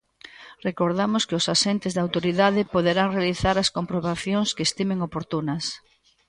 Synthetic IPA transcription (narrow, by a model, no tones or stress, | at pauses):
rekoɾðamʊskɪʊsaʃent̪ɪzðaːwt̪oɾiðaðɪpoðeɾaŋrealiθaɾɐskompɾoβaθjõŋskest̪imẽŋopoɾt̪unɐs